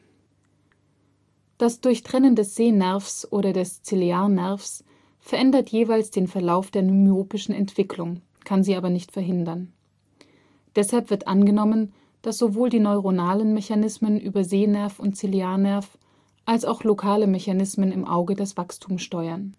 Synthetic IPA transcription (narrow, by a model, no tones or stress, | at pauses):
d̥asd̥ʊɐçtʁ̥ɛnəndɛsz̥eːnɛɐfsʔoːɾɐdɛst͡sileaːnɛɐfs | fɛɐʔɛndɐtʰjeːvaɪlsd̥eːnfɛɐlaʊfd̥eːɐnymjoːpɪʃn̩ɛ̰ntv̥ɪkʰlʊŋ | kʰanziːʔaːbɐnɪçtfɛɐɦɪndɐn | d̥ɛshalpv̥ɪɐtʔanɡənɔmən | d̥asz̥ovoːldiːnɔʏʁonaːlənmɛçanɪsmənʔyːbɐzeːnɛɐfʊnt̚t͡sileaːɐnɛɐf | ʔalsaʊxlokʰaːləmɛçanɪsmənɪmʔa̰ʊɡədasv̥akstʰuːmsʃtɔʏɐn